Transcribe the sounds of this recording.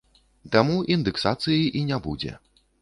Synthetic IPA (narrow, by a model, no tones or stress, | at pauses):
t̪amuʔind̪ɨksat̪sɨjiʔinʲabud͡zʲɛ̰